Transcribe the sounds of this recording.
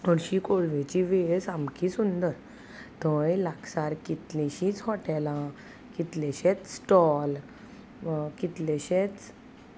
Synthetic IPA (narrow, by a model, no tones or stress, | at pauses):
əɾɕikolʋẽt͡ɕiʋesamkisund̪əɾ | t̪ɔ̃jlaksaɾkit̪liɕĩt͡sɦɔʈɛlã | kit̪leɕɛt͡s̪sʈɔl | kit̪leɕɛt͡s